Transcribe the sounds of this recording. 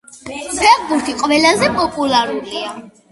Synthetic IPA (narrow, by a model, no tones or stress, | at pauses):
pʰɛʁbuɾt̪ʰiqʼvɛlazɛpʼɔpʼulaɾulia